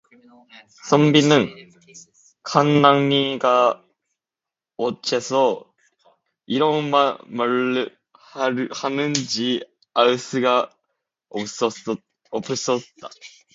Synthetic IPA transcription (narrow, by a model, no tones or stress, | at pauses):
sʰʌmbinɯn | kʰanːaŋɲiɡa | ot͡ɕʰesʰʌ | iɾʌnmamaɭ | hanɯnd͡ʑi | aɯsɯɡa | ʌpɯs͈ʌtt͈a